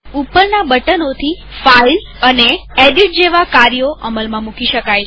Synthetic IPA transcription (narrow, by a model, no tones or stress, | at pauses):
upːəɾnabəʈənot̪ʰi | fail | əneeɖiʈ̚d͡ʒeʋakaɾijoʔəməlmãmũkiʃəkaj